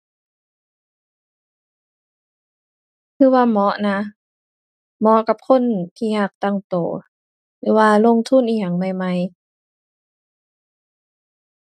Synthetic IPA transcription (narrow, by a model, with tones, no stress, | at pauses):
k̪ʰɯː˧waː˧˨mɔ˧˦˥ʔna˧˦˥ | mɔ˧˦ʔka˨˧˩p̚kʰo˧˥˨nt̪ʰiː˧˨jaː˧˩k̚t̪a˧˨ŋt̪oː˨˩ | lɯː˨˦waː˧lo˧˨ŋt̪ʰu˧˥˨nʔiː˨˩ja˨˩˨ŋma˧˩jma˧˥˨j